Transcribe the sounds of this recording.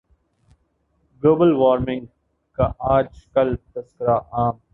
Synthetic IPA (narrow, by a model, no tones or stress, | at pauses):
ɡoːbəlʋaːɾmɪ̃ŋɡ | kaʔaːd͡ʒkɐlt̪ɐskəɾaʔaːm